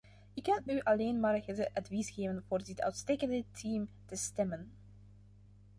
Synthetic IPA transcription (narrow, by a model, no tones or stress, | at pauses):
ɪkɛlyʔɑleːnmaːrɣədəʔɑdvisɣeːvənvoːrdɪtœ̰ɥtsteːkəndətʰiːm | təstɛmən